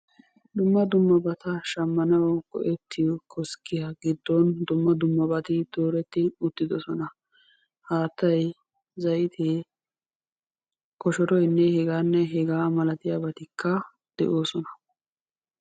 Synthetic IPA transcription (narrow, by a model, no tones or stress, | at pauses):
d̪ʊmːɐd̪ʊmːɐbɐt̪ɐʃɐmːɐnɐwkɔ̰ʔɛt̪ʰːɪjɔkʰɔskɪjɐɡɪd̪ːɔnd̪ʊmːɐd̪ʊmːɐbɐt̪ɪd̪̥o̞ːɾɛt̪ːɪʊt̪ːɪd̪ɔsɔnɐ | haːt̪ːɐj | zɐjɪt̪ʰe | kɔʃɔɾɔjnːɛhɛɡaːnːɛɦɛɡaːmɐlɐt̪ɪjaːbɐt̪ɪkːɐ | d̪̥ɛ̰ʔoːsɔnɐ